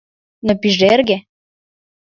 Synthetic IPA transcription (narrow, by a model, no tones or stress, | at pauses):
nopiʒerɣe